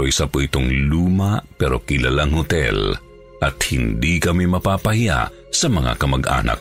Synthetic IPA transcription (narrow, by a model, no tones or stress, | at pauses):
oʔisapoʔɪt̪oŋluːmapɛɾokɪlalaŋhʊt̪ɛ̰l | ʔɐt̪̚hɪnd̪ikɐmimɐpaːpɐhɪja̰ʔ | sɐmɐŋa̰kɐmɐɡʔa̰ːnɐ̰k̚